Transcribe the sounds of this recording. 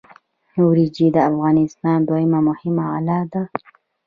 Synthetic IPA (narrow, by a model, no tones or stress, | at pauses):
nuwɾid͡ʒid̪əafɣɑnɪst̪ɑnd̪wajɪmamʊhɪmaa̰lɑd̪a